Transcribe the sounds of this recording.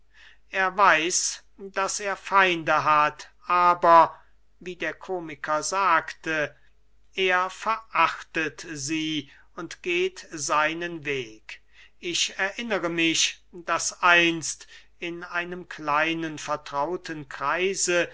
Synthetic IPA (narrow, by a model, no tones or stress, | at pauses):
ʔeːɐvaɪs | d̥aseːɐfaɪndəɦatʔaːbɐ | viːdeːɐkʰoːmɪkʰɐzaːktə | ʔeːɐfɛɐʔaχtətziː | ʊntɡ̥eːtzaɪnənveːk | ɪʃɛɐʔɪnəʁəmɪʃd̥asʔaɪnst | ɪnaɪnəmkʰlaɪnənfɛɐtʁ̥aʊtʰənkʁ̥aɪzə